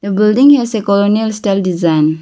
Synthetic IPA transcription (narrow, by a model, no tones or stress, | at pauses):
d̪əbildĩŋhɛsekɔlonialsʈaɪldizãɪn